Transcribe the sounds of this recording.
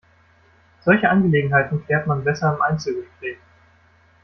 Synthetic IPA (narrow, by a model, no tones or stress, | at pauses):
z̥ɔlçəʔanɡəleːɡŋ̩ɦaɪtn̩fl̥eːɐtmanbɛsɐɪmʔaɪnt͡səlvɪfleːɡ